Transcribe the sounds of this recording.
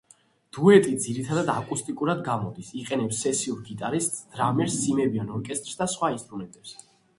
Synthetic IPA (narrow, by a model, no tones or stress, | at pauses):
d̪̥uɛt̪ʼid̪ziɾit̪ʰad̪ad̪akʼust̪ʼikʼuɾad̪ɡamɔd̪isiqʼɛnɛpsːɛsiuɾɡit̪ʼaɾist̪ʼsd̪̥ɾamɛɾsːimɛbiɔnɔɾkʼɛst̪ʼɾsd̪asχwainst̪ʼɾumɛnt̪ʼɛps